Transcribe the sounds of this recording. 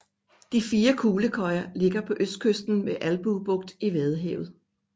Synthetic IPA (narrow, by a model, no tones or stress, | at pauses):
d̥ifiːɐkʰuːləkʰɒ̽ɪɐle̝ɡ̥ɐpʰɒ̽ʔøsd̥̚kʰøsd̥n̩meʔælb̥ub̥ɔ̽ɡ̥̚d̥iʋeð̞̩ˠɦɛ̰ʊð̩ˠ